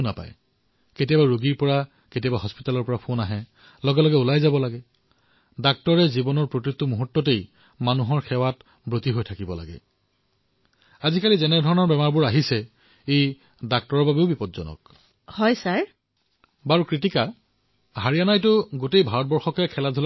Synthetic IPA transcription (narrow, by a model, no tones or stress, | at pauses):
na̰pa̰j | ketiabaɹoɡiɹpɔɹa | ketiabaɦɔspitalɔɹpɔɹapʰonaɦɛ | lɔɡɛlɔɡɛulajzabɔlaɡɛ | dak̚tɔɹɛzibɔnɔɹpɹokɹitːumuɦutːɔtej | manuɦɔɹxʰɛwat | bɹotiɦojtʰakibɔla̰ɡɛ̰ | azikalizɛnɛdʱɔɹɔnɔɹbɛmaɹbʊɹaɦisɛ | ej | dak̚tɔɹɔɹbabeʊbipɔtzɔ̰nɔ̰k | hɔjsaɹ | baɹukɹitika | ɦaɹianajtʊɡotejbʱaɹɔt̚bɔɹxɔkɛkʰɛladʱul